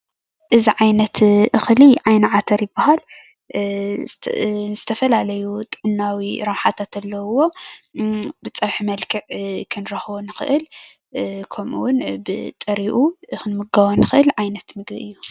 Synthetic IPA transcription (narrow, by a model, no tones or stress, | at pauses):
ʔɨziʕajnɐt̪ʔɨxliʕajnɐʕat̪ʰɐɾjɪbːahal | zɨt̪ʰɐfɐlalɐjut̪ʼɨʕɨnːawiɾɐmħat̪ʰat̪ʰɐlːɐwo̞ | bɨt͡sʼɐwħimɐlkʰɨʕkʰɨnɾɐxbonɨxɨ̰ʔɨl | kʰomṵwʊnbɨt̪ʼɐɾiʔuxɨnmɨɡawonɨxɨʔɨlʕajnɐt̪mɨɡbiʔɨjːu